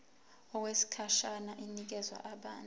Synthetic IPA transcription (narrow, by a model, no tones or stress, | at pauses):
ɔk̬wesi̥kʰaʃanaʔinik̬ɛzwa̰ʔaɓaːn